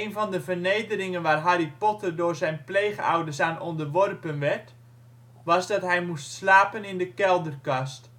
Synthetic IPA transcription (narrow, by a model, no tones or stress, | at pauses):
ejnvɑndəvərnejdərɪŋənʋaːrɦaripɔtərdʊːɹzɛjnpleːχəɔ̰wdəsaːnɔndərʋɔrpənʋɛrt | ʋɑzdɔtɦɛjmustslaːpənɪndəkɛlˠdərkɑst